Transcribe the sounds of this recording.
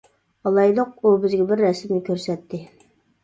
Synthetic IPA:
ɑlˠɑjlˠoq̚ubɪzɡʲɛbɪɾːɛsɪmnɪkʲʰøɾsɛt̪ʰːɪ

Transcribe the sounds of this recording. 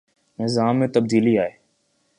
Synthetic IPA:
nɪzaːmːẽːt̪əb̚d̪iːliːaːɦeː

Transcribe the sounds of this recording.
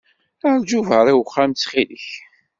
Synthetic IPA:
əɾˤd͡ʒuvəɾˤiwχːamt͡sːχiləç

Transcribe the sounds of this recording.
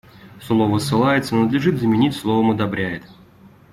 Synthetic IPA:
slˠovəsːɨlˠajɪt̪sənəd̪lʲɪʐɨt̪zəmʲɪnʲitʲslˠovəmɐd̪ɐbɾʲæjɪt̪

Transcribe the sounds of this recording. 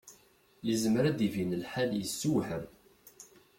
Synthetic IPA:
jəzmɾæd̪ivinəlħaljəsːuwħəm

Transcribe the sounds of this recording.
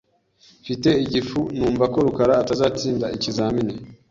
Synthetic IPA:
fite̞iɟifunuːɱvako̞ɾukaɾaːtazaːt͡siːndaʔicizaːmine

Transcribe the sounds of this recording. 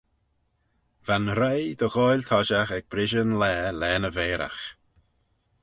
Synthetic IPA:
vanɾajd̪əɣɔjlʲt̪ʰɔʒaxɛɡ̚bɾɪʒənlɛːlɛːnəveːɾʔa̰x

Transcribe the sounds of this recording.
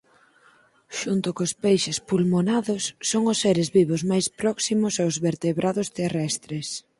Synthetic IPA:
ʃunt̪ʊkʊspejʃɪspulmonaðʊsːoŋʊsːeɾɪzβiβʊzmajspɾɔksimʊsaʊwzβeɾt̪eβɾʔaðʊst̪erɛst̪ɾɪs

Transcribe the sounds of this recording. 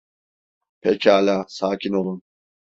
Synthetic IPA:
pʰɛcʰaːlʲaːsaːcʰinolˠun

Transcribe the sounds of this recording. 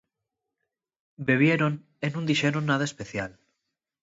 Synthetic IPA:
beβ̞je̞ɾon | enũnd̪iʃeɾonaðaespe̞θjal

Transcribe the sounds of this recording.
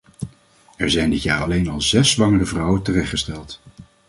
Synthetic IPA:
ɛɹzɛjndɪtjaːɹɑlejnɑlˠzɛsːʋɑŋərəvrɑwəntərɛχtχəstɛlˠt

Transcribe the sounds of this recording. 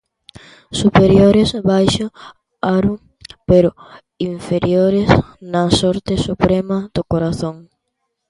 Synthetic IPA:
supeɾjoɾesβajʃʊ | aɾu | peɾʊ | iɱfeɾjoɾesnɐsoɾt̪ɪsupɾemɐd̪okoɾaθõŋ

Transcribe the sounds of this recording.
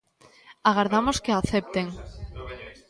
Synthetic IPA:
aɣaɾðamoskeaθep̚t̪eŋ

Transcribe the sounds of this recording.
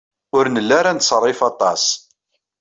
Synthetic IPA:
ʊɾnəlːaɾansˤrˤːɪfɑt̪ˤɑs

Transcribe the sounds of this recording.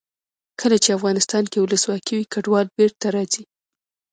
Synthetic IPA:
kʰəlat͡ʃeafɣɑnɪst̪ɑnkewʊləswɑkʰiwikaɖwɑlbeɾt̪aɾɑzi

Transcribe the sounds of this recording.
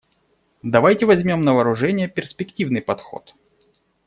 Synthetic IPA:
d̪ɐvajtʲɪvɐzʲmʲo̞mnəvɐːɾʊʐɛnʲɪjəpʲɪrsʲpʲɪktʲivnɨjpɐt̪xo̞̰t̪

